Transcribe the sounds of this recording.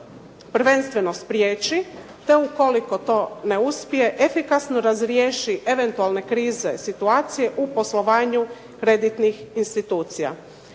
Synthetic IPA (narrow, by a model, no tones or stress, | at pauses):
pɾ̩ʋe̞nst̪ʋe̞no̞spɾjeːt͡ʃi | t̪e̞uko̞liko̞t̪o̞ːne̞uspije̞ʔefikasnoɾazɾjeːʃiʔe̞ʋe̞nt̪ualˠne̞kɾiːze̞sit̪uaːt̪sije̞ʔupo̞slo̞ʋaːɲu | kɾe̞d̪it̪nixinst̪it̪uːt̪sija̰